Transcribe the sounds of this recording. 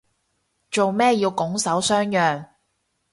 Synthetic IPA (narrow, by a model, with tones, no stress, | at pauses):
t͡ʃo˨wmɛː˥jiː˧wkʊ˨˥ŋsɐ˨˥wsœː˥ŋjœː˨˩ŋ